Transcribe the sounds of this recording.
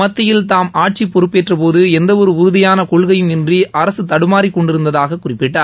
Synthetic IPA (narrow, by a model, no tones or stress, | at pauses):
ɐt̪ːɐjɪlt̪aːmʔaːʈ̚t͡ʃipːɔɾɯpːeʈrɐpoːðɯɛnd̪ɐɔɾɯʊɾʊðɪjaːnɐkɔɭɣɐjɯmɪndriʔɐɾɐsɯt̪ɐɽɯmaːɾikːɔɳɖɪɾɯnd̪ɐðaːɣɐkːʊrɪpːɪʈːaːɾ